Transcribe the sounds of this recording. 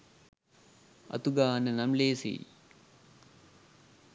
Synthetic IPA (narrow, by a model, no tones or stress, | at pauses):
ɐ̰t̪uɡaːnənamleːsḭː